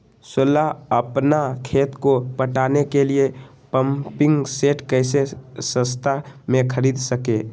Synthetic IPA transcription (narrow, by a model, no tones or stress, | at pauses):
sʊlaəpnakʰeːt̪kopəʈaːnekelie | pəmpɪ̃ŋɡseːʈkəɪsesə̃st̪ʰamẽkʰəɾiːd̪səkeː